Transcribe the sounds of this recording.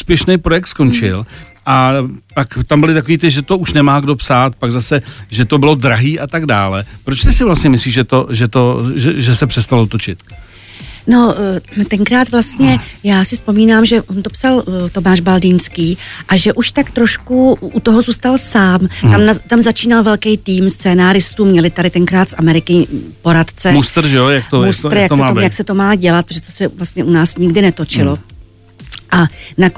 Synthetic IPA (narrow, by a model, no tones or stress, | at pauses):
uspjɛʃnɛjpɾojɛk̚t̪sko̞nt͡ʃɪ̰lʔap̪akt̪ambɪlɪt̪akoviːt̪ɪʒɛt̪o̞uʃnɛmaːɡdo̞psaːt̪̚paɡzasɛʒɛt̪o̞bɪlo̞d̪ɾaɦiːʔat̪aɡdaːlɛpɾot͡ʃt̪ɪsɪvlast̪ɲɛmɪsliːʒʒɛt̪oʒɛt̪oʒɛʒɛsɛpr̝̥ɛst̪alot̪o̞t͡ʃɪt̪ | no̞t̪ɛŋkɾaːt̪vlast̪ɲɛjaːsɪspo̞miːnaːmʒɛʔont̪opsalt̪o̞maːʒbaldinskiːʔaʒɛʔuʃt̪akt̪ɾo̞ʃkuʔut̪oɦozuːst̪alsaːmt̪amnat̪amzat͡ʃiːnalvɛlkɛjt̪iːmst͡sɛːnaːɾɪst̪uːmɲɛlɪt̪adɪt̪ɛŋkɾaːt̪sʔamɛɾɪkɪpo̞ɾat̪t͡sɛmustt̪ɾ̩ʒɛojak̪omust̪ɾjjaksɛojaksɛt̪o̞maːɟɛlat̪pɾoʒɛt̪osɛvlast̪ɲɛʔunaːsɲɪɡdɪnɛt̪o̞t͡ʃɪlo̞ | ʔanak